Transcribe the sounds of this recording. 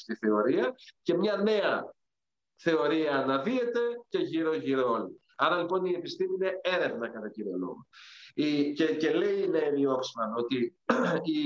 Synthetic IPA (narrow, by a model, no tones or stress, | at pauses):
st̪iθe̞o̞ɾiɐce̞mɲɐne̞ɐ | θe̞o̞ɾiɐːnɐðie̞t̪e̞ce̞ʝiɾo̞ʝiɾooli | ɐɾɐlipo̞nie̞pist̪imiine̞e̞ɾe̞vnɐkɐt̪ɐciɾo̰lṵicece̞le̞ineenio̞ksimɐno̞t̪i | i